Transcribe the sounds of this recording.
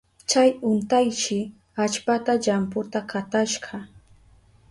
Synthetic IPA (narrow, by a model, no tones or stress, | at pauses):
t͡ʃajʊnt̪ajʃɪ | at͡ʃpat̪aʎampʊt̪akat̪aʃɢɑ